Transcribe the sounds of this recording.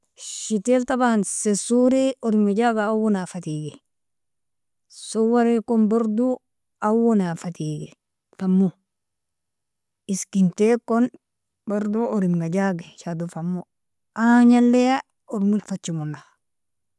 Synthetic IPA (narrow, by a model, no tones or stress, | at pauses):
ʃiteltabansesuɾeoɾimɡad͡ʒaɡaawonafatiɡe | sowaɾekonbaɾdu | awonafatiɡe | famːu | iskintekon | baɾduoɾimɡad͡ʒaɡeʃadufamːu | aɲalːeja | oɾmulfat͡ʃːimuna